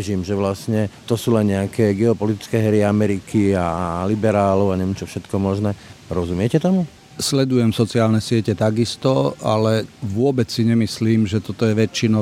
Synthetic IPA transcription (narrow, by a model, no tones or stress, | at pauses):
ʒiːmʒɛʋlasɲɛt̪ɔsuːlɛnɲɛakɛːɡɛɔpɔlit̪i̥t͡skɛːɦɛɾiamɛɾikʰialibɛɾaːlɔʊaɲɛʋɛmt͡ʃɔfʃɛt̪kɔmɔʒnɛːɾɔzumɪɛcɛt̪ɔmu | slɛd̪ujɛmsɔt͡siɪaːlnɛsɪɛcɛt̪aɡist̪ɔa̰lɛʋʊɔbɛt͡ssiɲɛmisliːmʒɛt̪ɔt̪ɔjɛʋɛt͡ʃːinɔ